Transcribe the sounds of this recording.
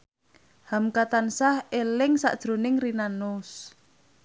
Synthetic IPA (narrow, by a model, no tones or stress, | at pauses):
hamkat̪ansahelɪŋsa̰ʔd̥ʒ̥ɾo̤nɪŋrinanʊs